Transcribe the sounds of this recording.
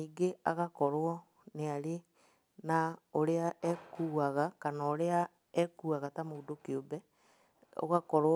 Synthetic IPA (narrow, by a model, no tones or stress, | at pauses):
iːɡeaɣakɔɾwɔ | neaɾe | naoɾeaɛkuːaɣakanaoɾea | ɛkuːaɣatamoudokeobɛ | o̰ɣakɔɾ